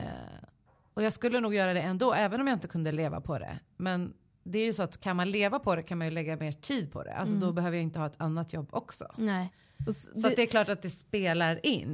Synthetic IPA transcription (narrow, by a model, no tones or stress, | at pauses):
ɔjɑːɡskɵlːənuːɡjœːɾad̪ɛɛnd̪oːʔɛːvənɔmjaːɪnt̪əkɵnd̪əleːva̰pʰɔd̪ɛ̰mɛn | d̪ɛæɾjɵsɔat̪kʰanmanleːvapʰɔd̪ɛkʰanmanjɵlɛɡːameːʈʰiːd̪̚pʰɔ̰d̪ɛ̰ʔa̰lsɔd̪ɔbɛɦøːvəjaɪnt̪əhɑːɛt̪ʰanːat̪jɔbːɔksɔ̰ɛ | sɔad̪ɛɾkʰlɑːʈat̪̚d̪ɛspeːlaɾɪnː